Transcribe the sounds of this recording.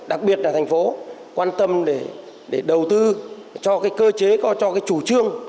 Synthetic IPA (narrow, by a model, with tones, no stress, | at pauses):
ɗa˨˩k̚ɓi˨˩ət̚laː˨˩t̪ʰa˨˩ŋ̟fo˨˦kwaː˧nt̪ə˧mɗe˧˩ | ɗe˧˩ɗə˨˩wt̪ɨ˧ | t͡ɕɔ˧kaː˨˦jkəː˧t͡ɕe˨˦kɔ˨˦t͡ɕɔ˧kaː˨˦jt͡ɕu˧˩t͡ɕɨ˧əŋ